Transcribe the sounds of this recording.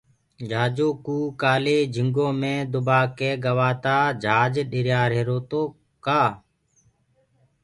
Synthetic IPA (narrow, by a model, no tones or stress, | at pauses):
d͡ʒʱaːd͡ʒoːkuːkaːleːd͡ʒʱɪŋɡoːmẽːd̪ʊbaːkeːɡəʋaːt̪aːd͡ʒʱaːd͡ʒɗɪɾjaːɾɦeːɾoːt̪oː | kaː